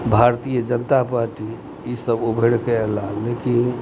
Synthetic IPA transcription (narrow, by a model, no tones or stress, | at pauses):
bʱaɾt̪ijəd͡ʒənt̪apaɾʈi | isəbubʱeɽkelaːekin